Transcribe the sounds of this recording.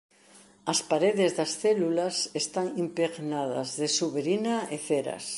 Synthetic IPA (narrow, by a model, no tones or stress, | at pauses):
ɐspaɾeðezðɐsθɛlulasest̪aŋimpeɣnað̞ɐ̰zðesuβeɾinaeθeɾɐ̰s